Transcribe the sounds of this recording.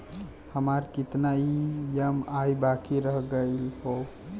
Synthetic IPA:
həmaɾkit̪naijəmajbakiɾəɦɡəjlhow

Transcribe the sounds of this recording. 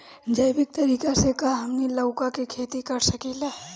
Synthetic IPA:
d͡ʒɐjbɪk̚t̪ɐɾiːkasekaɦɐmnilɐʊkakikʰeːt̪ikɐɾsɐkilaː

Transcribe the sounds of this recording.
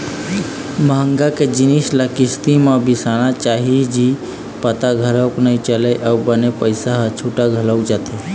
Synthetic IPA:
məɦə̃ŋɡaked͡ʒɪnislakɪst̪imãbisaɽ̃at͡ʃaɦid͡ʒi | pət̪aɡʱəɾəknəit͡ʃəleʔəwbənepəɪsaɦt͡ʃʰuːʈaɡʱələwd͡ʒat̪e

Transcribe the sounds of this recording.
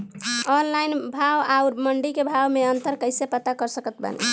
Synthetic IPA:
ɔnlajnbʱawauɾməɳɖikebʱawmeənt̪əɾkəɪsepət̪akəɾsəkət̪̚bə̰nḛ

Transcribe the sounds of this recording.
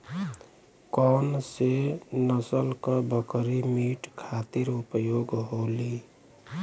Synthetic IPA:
kɔnsenəsəlkəbəkɾimiʈkʰat̪iɾupjoɡɦoli

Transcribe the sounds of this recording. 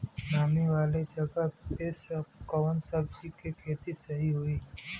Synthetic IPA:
naːmiʋaːled͡ʒɐɡaesəkəʋənsɐb̚d͡ʒikekʰeːt̪isɐɦiɦoiː

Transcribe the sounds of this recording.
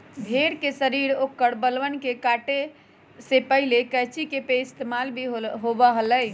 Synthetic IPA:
bʱeɾkesəɾiɾokːəɽbəlʋənkekaʈe | sepəɦilekəjt͡ʃikepeɪst̪emalbʱiɦobəɦələj

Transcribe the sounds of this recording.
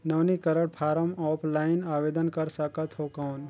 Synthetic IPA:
nɐːnikɐɾəɽpʰaːɾəmɔːpʰlaːɪnaːʋeːd̪ənkɐɾsəkət̪ɦoːkaːn

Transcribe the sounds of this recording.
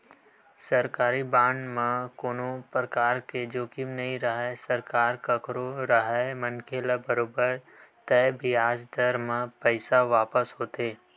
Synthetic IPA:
sɐɾkaːɾibãːɳɖmẽkoːnopɾəkaːɾked͡ʒoːkɪmnɐĩɾɐɦɛsɐɾkaːɾkɐkɾoɾɐɦɛmɐnkʰelabɐɾoːbəɾ | t̪ɛbʱiaːd͡ʒd̪ɐɾmə̃pəɪsaʋaːpəsɦoːt̪eː

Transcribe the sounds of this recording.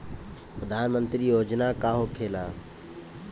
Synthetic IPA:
pɾəd̪ʱanmənt̪ɾijod͡ʒnakaɦokʰela

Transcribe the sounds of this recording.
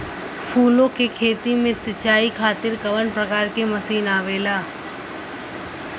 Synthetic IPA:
fʰuːlõkekʰeːt̪imẽsɪt͡ʃaːikʰaːt̪ɪɾkɐʋənpɾɐkaːɾkemɐsiːnaːʋeːlaː

